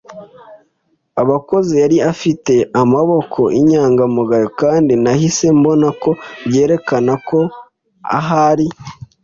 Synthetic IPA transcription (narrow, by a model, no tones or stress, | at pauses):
aβako̞zijaɾiafite̞amaβo̞kʰo̞ʔiɲaːŋɡamuɡajokaːndinahise̞mbo̞nako̞βɟe̞ːɾe̞kanako̞ | a̰ɦaɾi